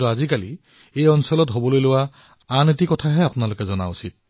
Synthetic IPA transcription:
uazikalḭ | ejɔnsɔlɔtɦobɔlojlʊwa | anetikɔtʰaɦɛapʊnalokɛzɔna̰usit̚

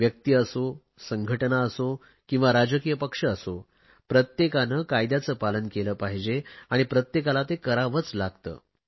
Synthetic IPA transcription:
ʋjək̚t̪iəso | səŋɡʱəʈnaəso | kĩw̃ʋaɾad͡ʑəkijəpəkʂəːso | pɾət̪jekanəːkajd̪jat͡səːpalənkeləːpaɦid͡ʑeaɽ̃ipɾət̪jekalat̪ekəɾaʋət͡slaɡt̪ə̰ː

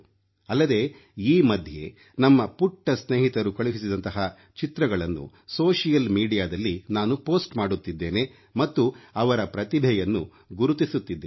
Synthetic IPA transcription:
ɐlːɐd̪e̞ | iːmɐd̪ʱje̞̰ | nɐmːɐpuʈːɐsneːɦit̪ɐɾukɐɭuɦisid̪ɐnt̪ɐɦɐ | t͡ʃit̪ɾɐɡɐɭɐnːṵ | soːʂijɐlmiːɖijaːd̪ɐlːinaːnupoːsʈmaːɽut̪ːid̪ːe̞ːne̞ | mɐt̪ːuɐʋɐɾɐpɾɐt̪ibʱɛjɐnːu | ɡuɾut̪isut̪ːid̪ːe

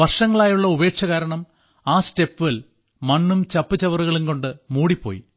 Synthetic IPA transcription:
ʋɐrʂɐŋːɐɭaːjuɭːɐube̞ːkʂɐɣaːɾɐɳɐm | aːste̞pːil | mɐnːumt͡ɕɐpːɨt͡ɕːɐʋɐruɣɐɭimko̞ɳɖɨmuːɽipːo̞̰ːjḭ

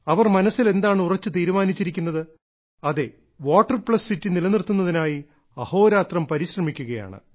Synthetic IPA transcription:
ɐʋɐrmɐnɐsile̞nd̪aːɳɨurɐt͡ɕːɨt̪iːɾumaːnit͡ɕːiɾikʲːunːɐðɨ | ɐðe̞ | ʋoːʈːɐrpɭɐsːitːinilɐnirt̪ːunːɐðinaːji | ɐho̞ːɾaːt̪rɐmpɐɾiɕrɐmikʲːuɣɐja̰ːɳɨ̰

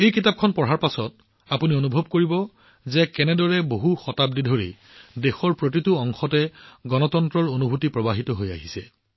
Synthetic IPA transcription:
ejkitap̚kʰɔnpɔɹɦaɹpasɔt | apunionubʱɔb̚koɹibɔ | zɛkɛnɛdɔɹɛboɦuxɔtap̚didʱoɹi | dexɔɹpɹotituɔŋxɔtɛɡɔnɔtɔntɹɔɹonubʱutipɹɔbaɦitɔɦoja̰ɦisɛ

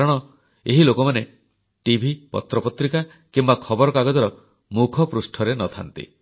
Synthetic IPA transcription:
kaɾɔɽ̃ɔ | eɦilokɔmane | ʈibʱipɔ̰t̪ɾɔpɔt̪ɾika | kimbakʰɔbɔɾɔkaɡɔd̪ɔɾɔ | mukʰɔpɾusʈʰɔɾenɔt̪ʰa̰nt̪ḭ

